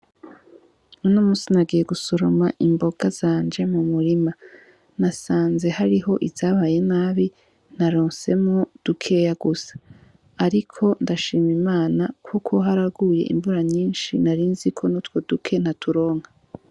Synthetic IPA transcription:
unoːmuːsinaɡiːje̞ɡusoɾo̞maʔimbo̞ɡ̥azaːnd͡ʒe̞mumuɾima | nasaːnze̞haɾiɦo̞ʔizaːβaːje̞naːβi | n̥aɾoːnse̞mod̥ukʰe̞ːjaɡusḁː | ɾikʰo̞ndaʃiːmimaːnakʰukʰo̞ɦaɾaɡuje̞̰ʔḭɱvuɾaɲiːnʃinaɾiːnzikʰo̞nutwo̞dukʰe̞n̥hatʰuɾo̞ːŋha

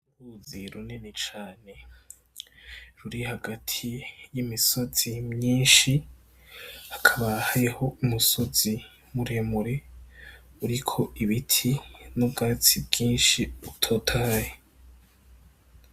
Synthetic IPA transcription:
uɾuziɾunenet͡ʃaːne̞ | ɾuɾihaɡatʰijimiso̞z̥imɲiːnʃi | akʰaβahajeho̞umusoz̥i | muɾemuɾe | uɾikʰo̞ʔiβitʰinubɡaːt͡sibɡiːnʃiutʰo̞tʰaːje

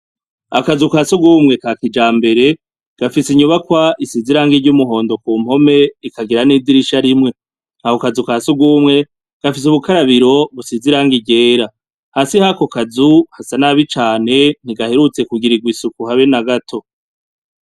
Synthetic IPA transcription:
a̰kazukasubɡuːmŋe̞kaːkid͡ʒaːmbe̞ɾe̞ | ɡ̥afisiɲuβakwaʔisiziɾaːŋɡiɾɟumuɦo̞ːndo̞kuːm̥ho̞me̞ikaɡiɾaniːdiɾiʃaɾimŋe̞ | nahokazukaːsubɡuːmŋe̞ | ɡ̥afis̬uβukaɾaβiɾo̞βusiziɾaːŋɡiɟe̞ːɾa | hasihako̞kazuhasanaβit͡ʃaːne̞n̥iɡahe̞ɾut͡se̞kuɡiɾiɡwisukuhaβenaɡatʰo̞

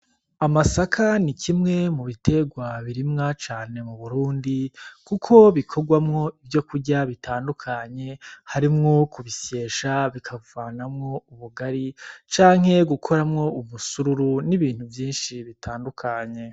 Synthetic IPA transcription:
amasakʰanicimŋe̞muβite̞ɡwaβiɾimŋat͡ʃaːne̞muβuɾuːndikukʰo̞βikʰo̞ɡwamŋo̞ibjo̞kuɾɟaβitʰaːndukʰaɲe̞haɾimŋo̞kuβise̞ːʃaβikʰavaːnamŋo̞uβuɡaɾit͡ʃaːŋ̥he̞ɡukʰo̞ɾamŋo̞umusuɾuɾuniβiːn̥huvjiːnʃiβitʰaːndukʰaɲe̞

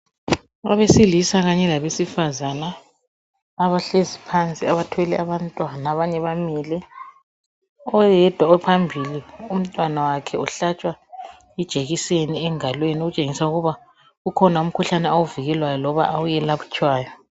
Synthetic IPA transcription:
aβesilisaɣaɲɛlaβesifazanaː | βaɬezipʰant͡sʼiaβatʰɛlɛaβantʼwanaːβaɲɛβamiːlɛ | ɔjɛd̥ʱwaɛpʰambʱilium̩tʼwanawakʰɛuɬat͡ʃʼwa | id̥ʒ̥ʱeɣiseniɛŋalweniuɣut͡ʃʼeŋisauɣuβa | ɣukʰɔnaum̩kʰuɬanɛawuviɣɛlwajɔlɔβa̰ʔawujɛlaβut͡ʃʰʼwaːjɔ

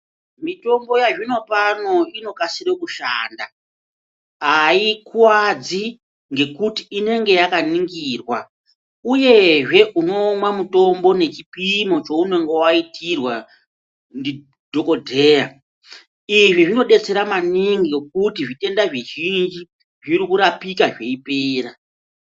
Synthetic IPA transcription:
mito̞mbo̞jaʐino̞pano̞ino̞kasirekuʃa̰ːnda | ɦaikuwad͡zi | ŋɡe̞kutiːne̞ŋɡe̞jakaniŋɡiːrwa | uje̞ʐe̞ʔuno̞mwamuto̞mbo̞ne̞t͡ʃipimo̞t͡ʃo̞une̞ŋɡe̞waitirwa | ndi | dʱo̞ko̞dʱe̞ːja | iʐiʐino̞ɗe̞t͡se̞ɾamaniŋɡiokutiʐite̞ndaʐiʒind͡ʒi | ʐiɾikuɾapikaʐe̞ipeːɾa

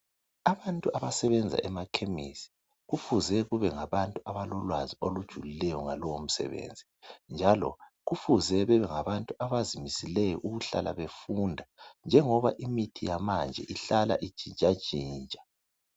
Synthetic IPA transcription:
aβantʼuʔaβasɛβɛnd͡zʱa̰ʔɛmakʰemisi̥ | ɣufuzɛɣuβɛŋaβantʼuaβalɔlwaziolud̥ʒ̥ʱulilɛjɔŋalɔwom̩sɛ̰βḛnd͡zʱi | nd͡ʒʱalɔ̰ɣufuzɛβɛβɛŋaβantʼuaβazimisilɛjɔʔuɣuɬa̰lʔa̰βefundʱand͡ʒʱɛŋɔβaʔimitʰijamand͡ʒʱɛ̰ʔiɬala̰ʔi̥ʒ̥ʱint͡ʃʼḁʒ̥ʱiːnt͡ʃʼḁ

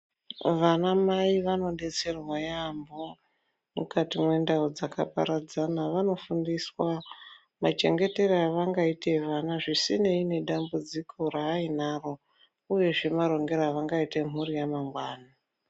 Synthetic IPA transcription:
ʋanamaiʋano̞ɗe̞t͡se̞rwajambo̞ | mṵkatimwe̞ndaud͡zakʰa̰pa̰ɾad͡zanaʋano̞fundiswa | mat͡ʃe̞̰ŋɡe̞te̞raaʋaŋɡaitʰe̞ʋanaʐisine̞ine̞ɗambud͡zikʰo̞raːinaro̞ | uje̞ʐe̞maɾo̞ŋɡe̞ɾaːʋaŋɡaite̞m̤urijamaŋɡwaːna

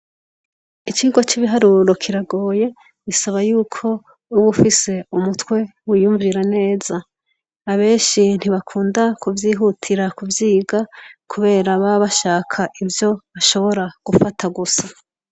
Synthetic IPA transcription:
it͡ʃiːɡwot͡ʃiβiɦaɾuɾo̞kʰiɾaɡo̞ːje̞ | ɡisaβajuːkʰo̞ | uβufise̞umutwe̞wijuːɱviɾane̞ːz̥aː | βe̞ːnʃin̥hiβakʰuːndakuvjiːɦutʰiɾakuvjiːɡakʰuβe̞ːɾaβaβaʃaːkʰaʔivjo̞βaʃo̞βo̞ɾaɡ̥ufatʰaɡusa

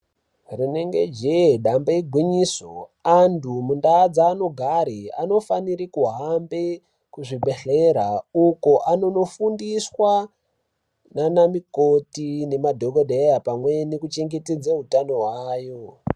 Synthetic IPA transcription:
rineŋɡe̞d͡ʒeɗambaiɡʱwiɲiːso̰andumundaːd͡zaːno̞ɡʱaɾia̰no̞faniɾikuɦambe | kuʐiɓe̞ɬeɾaukoʔano̞no̞fundiswa | nanamikotine̞madʱoɡodʱejapamwe̞nikut͡ʃeŋɡetid͡zeɦutano̞ɦwaːjo

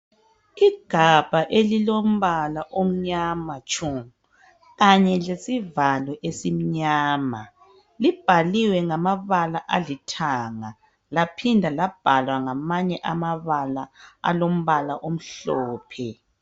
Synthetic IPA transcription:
iɡ̥ʱab̥ʱaʔelilom̩βalaʔom̩ɲamat͡ʃʼumu | ɣaɲɛlesivalɔʔesim̩ɲaːma | lib̥ʱaliwɛŋamaβalaʔalitʰaːŋa | lapʰindʱalab̥ʱalwaŋamaɲɛʔamaβalaa̰lom̩βalaʔom̩ɬɔːpʰɛ

